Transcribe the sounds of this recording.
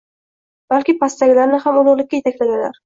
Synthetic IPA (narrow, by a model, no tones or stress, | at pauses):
b̥alkʲɪpʰast̪aɡʲɪlaɾnɪhamolˠʊɾlˠɪkʲːaje̞t̪ʰakʲlad̪ɪlaɾ